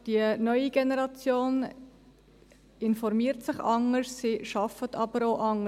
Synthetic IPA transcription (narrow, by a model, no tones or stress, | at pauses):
d̥iənœʏiɡ̥ɛnɛɾɑt͡sjoːn | ɪnfɔɾmiːəɾtsɪχɑŋəɾssiʃɑfətʰɑb̥əɾoʊʔɑŋə